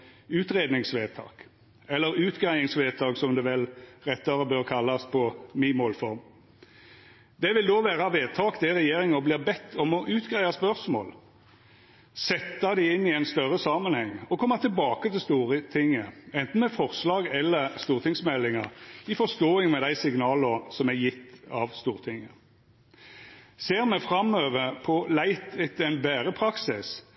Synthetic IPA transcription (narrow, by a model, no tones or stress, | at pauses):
ʉːt̪ʁeːd̪nɪŋsʋeːt̪ʰɑ̰ːk | ɛlːəɾʉːt̪ɡʁæɪɪŋsʋeːt̪ʰɑːksɔmd̪ɛʋɛlʁɛt̪ːɑɾəbøːʁkʰɑlːɑspʰɔmimoːlfɔʁm | d̪ɛʋɪld̪oːʋæːʁɑʋeːt̪ʰɑːkd̪ɛʁɛjeːɾɪŋɔbliːʁbɛt̪ʰːɔmɔʔʉːt̪ɡʁæɪɑspœʁsmo̰ːl | sɛt̪ːɑd̪ɪɪnːɪæɪnst̪œʁəsɑːmənhɛŋːɔkʰɔmːɑt̪ʰɪlbɑːkət̪ʰɪlst̪uːʁət̪ʰɪŋːəɛnt̪n̩mɛfɔʁslɑːɡɛlːəʁst̪uːʁt̪ʰɪŋsmɛlːɪŋɑʁɪfɔst̪oːɪŋmɛd̪æɪsɪɡnɑːləɾsɔmæjɪt̪ːɑ̰ʋst̪uːʁət̪ʰɪŋːə | seːʁmɛfɾɑmøːʋəpʰɔlæɪt̪ɪt̪ɛnbæːɾəpʰɾɑksɪs